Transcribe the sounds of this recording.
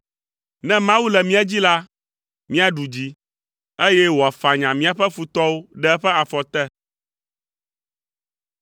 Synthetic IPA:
nɛ̃˦mã˦wu˦lɛ˨mĩ˦a˦d͡ʑi˦la˦ | mĩ˦a˨ɖu˨d͡ʑi˦ | e˦jɛ˦wɔ˨a˨fa˨ɲã˨mĩ˦a˨ɸɛ˦fu˨t̪ɔ˦wo˦ɖɛ˦ɛ˦ɸɛ˦a˨fɔ˨t̪ɛ˦

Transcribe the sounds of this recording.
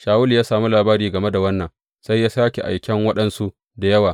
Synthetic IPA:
ʃaː˨wʊ˦ljaː˦saː˨mu˦laː˨baː˦ɾiː˨ɡɐ˨me˦da˨wɐ˦nːɐ˨ŋ | sa˦jːaː˦saː˦kʲe˨ʔa̰˨jkʲɛ˦ŋwɐ˦ɗɐ˨nsu˦ʔ | da˨jɐ˦waː˨

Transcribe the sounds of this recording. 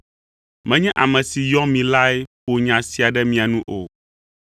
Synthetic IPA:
mɛ̃˦ɲɛ̃˦ʔa˨mɛ̃˨si˨jɔ̃˦mĩ˨la˦e˦ɸo˨ɲã˨si˨a˨ɖɛ˦mĩ˨a˨nũ˦ʔo̰˨

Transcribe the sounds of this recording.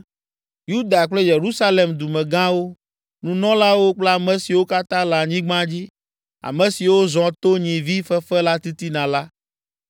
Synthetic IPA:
ju˦d̪a˨k͡ple˦je˨ɾu˦sa˦le˨md̪u˨mɛ̃˨ɡã˦wo˦ | nũ˨nɔ̃˦la˦wo˦k͡ple˦a˨mɛ̃˨si˨wo˦ka˦t̪ã˦la˨ɲĩ˦ɡ͡bã˦d͡ʑi˦ | a̰˨mɛ̃˨si˨wo˦zɔ̃˨t̪o˦ɲĩ˨vi˦fɛ˦fɛ˦la˦t̪i˦t̪i˦nã˨la˦

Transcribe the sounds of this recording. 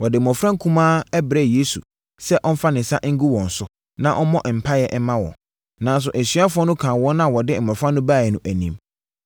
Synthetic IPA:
wɔ˨dɪ˨mɔ̃˨fɾã˦ŋ˦kʰũ˦mãː˦ɛ˦bɾɛ˦je˦sṵ˨ | sɛ˦ʔɔ˦n̩˦fa˦nɪ̃˨sa̰˦ʔŋ̩˦ɡu˦wɔ̃˨n̩˨sʊ˦ | nã˦ʔɔ˦mɔ̃˦ʔm̩˨pʰa˦jɛ˨ʔɛ˦mã˦wɔ̰̃˨ | nã˦n˦s̬ʊ˨ʔæ˨sɥa˦fʊ˦ɔ˦nʊ̃˦kʰãː˨wɔ̃˦nːã˦˨wɔ˨dɪ˦m̩˨mɔ̃˨fɾã˦nːʊ̃˦baː˦˨jɛ˨nʊ̃˨ʔæ˨nĩ˨m

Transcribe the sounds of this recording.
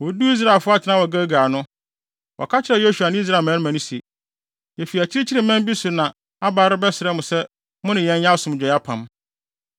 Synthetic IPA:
wɔ˨˦du˦i˦s̬ɾa˦˨lfʊ˦a˦tʰnã˦wɔ˨ɡa˦ɡa˨nʊ̃˦ | wʔɔ̰˨kʰa˦t͡ɕʰɪ˨ɾɛ˨jo˦su˨a˨nɪ̃˦i˦s̬ɾa˦˨mã˨˦n˦mæ̃˨nʊ̃˦si˨e˨ | jɛ˨fi˨æ˨t͡ɕʰɪ˦ɾɪ˦t͡ɕʰɪ˦ɾɪ˨mɛ̃˦m˦bi˦sʊ˨nã˨ | a˦baː˨ɾʊ˦bɛ˦sɪ˨ɾɛ˦mʊ̃˨sɛ˦ | mʊ̃˦nɪ̃˨jɛ̃˦n˦ɲã˦sʊ̃˨m˨d͡ʑᶣɔ˨ja˦pʰã̰˨m

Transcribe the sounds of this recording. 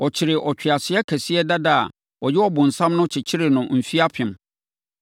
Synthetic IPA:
ɔ˨t͡ɕʰɪ˨ɾɪ˨ʔɔ˨t͡ɕᶣɪ˨a˨sɪ˨˦ɛ˦kʰæ˨si˦ɛ˦da˦da˦a̰˨ | ɔ˨jɛ˦ɔ˦bʊ̃˨n̩˨sã˦mnʊ̃˦t͡ɕʰɪ˨t͡ɕʰɪ˦ɾɪ˨nʊ̃˨m̩˨fi˦a˦pʰɪ̃˨m

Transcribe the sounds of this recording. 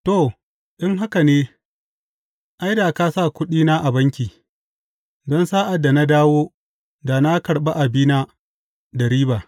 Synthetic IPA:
to˦˨ | ʔɪ˦ŋɦa˦ka˨neː˦ | ʔa˦jdaː˨ka˦sa˦˨kʷʊ˦ɗiː˦naː˦ʔa˨bɐ˦ŋkʲiː˨ | dɔ˦nsaː˦ʔa˨da˨na˦daː˦woː˦ | da˨na˦kɐ˨ɽɓa˦ʔa˨biː˦na˦ | da˨ɾiː˦baː˨

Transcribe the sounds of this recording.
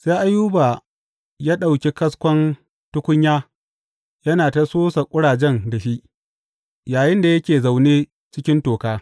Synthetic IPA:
seː˦ʔa˦juː˦baː˨ | jaː˦ɗa˨wkʲe˦kɐ˦skʷɔ˦n | tʊ˦kʷʊ˦ɲjaː˦ | jɐ˦naː˨ta˨soː˦sa˨kʷʼʊ˦ɽaː˨d͡ʒɛ˦ndɐ˨ʃi˦ʔ | jaː˨jɪ˦nda˨jɐ˦kʲeː˨za˨wneː˦ | t͡ʃɪ˦kʲɪ˦ntoː˨kaː˦

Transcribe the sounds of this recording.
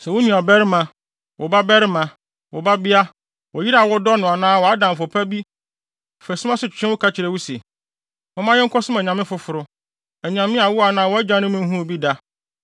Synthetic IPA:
sɛ˨wʊ˦nũ˨a˨bɛ˦ɾɪ˦mã˨ | wʔɔ˨ba˦bɛ˦ɾɪ˦mã˨ | wɔ˨ba˦bɪ˦a˦ | wɔ˨ji˦ɾa˨wɔ˦dɔ˦nʊ̃˨a˨nãː˦˨wɔ˨a˦dã˨m̩˨fɔ˨pʰa˦bi˦˨ | fæ˨sʊ̃˦mã˦sʊ˨t͡ɕʰᶣɪ̥˨t͡ɕʰᶣɪ̃˦wʊ˦kʰa˦t͡ɕʰɪ˨ɾɛ˨wu˦se˨ | mʊ̃˦mã˦jɛ˦ŋ̩˦kʰɔ˦sʊ̃˦mɛ˨ɲã˨mɪ̃˦fʊ˦fʊ˨ɾʊ˦ | ɛ˨ɲã˨mɪ̃˦a˨wʊ˦a˨nãː˦wɔ˦ɛ˦d͡ʑã˦nʊ̃˦mɪ̃˦ɦũ˦˨bi˦da˦

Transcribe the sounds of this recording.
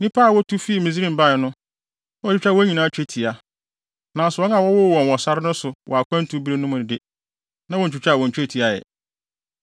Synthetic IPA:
nĩ˦pʰa˦˨wɔ˦tʰu˦fi˦i˨mĩ˨z̬i˦ɾĩ˦m˨ba˦˨nʊ̃˦ | ɔ˦t͡ʃᶣɪ˦t͡ɕᶣa˦wɔ˦ɲĩ˨nãː˦t͡ɕᶣe˦tʰi˨a˨ | nã˨sʊ˨wɔ˦na˨wɔ˦wɔ˦˨wɔ̃˨n˨wɔ˨sa˦ɾɪ˦nʊ̃˦sʊ˨wɔ˨a˨kʰʷã˦n˦tʰu˨˦bi˦ɾe˦nʊ̃˦mʊ̃˨nɪ̃˨dɪ˦ | nã˦wɔ˨n̩˨t͡ɕᶣɪ˨t͡ɕᶣa˦˨wɔ̃˨n̩˨t͡ɕᶣe˦˨tʰi˨a˨jɛ̰˨

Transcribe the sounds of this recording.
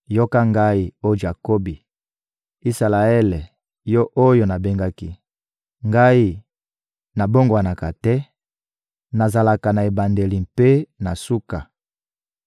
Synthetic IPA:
jo˦ka˦ŋɡa˦i˨o˦d͡ʒa˨ko˦bi˨ | i˦sa˨la˨ɛ˦le˨ | jɔ˦ʔo˦jo˨na˨be˦ŋɡa˦ki˦ | ŋɡa˦i˦ | na˨bo˦ŋɡwa˨na˨ka˨tɛ˦ | na˨za˨la˨ka˨na˨e˨ba˨nde˨li˨mpe˦na˨su˦ka˨

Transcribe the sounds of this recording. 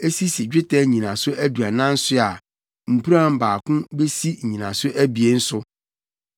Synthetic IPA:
e˦si˦si˨d͡ʑᶣɪ˦tʰɛ˦˨ɲĩ˨nã˨sʊ˦ʔæ˦du˨a˨nã˦n̩˦sʊ˦a˨ | m̩˨pʰu˦ɾã˦˨m̩˦˨baː˨kʰʊ̃˦be˦si˦˨ɲĩ˨nã˨sʊ˦ʔæ˦bi˨e˦n̩˦sʊ˦

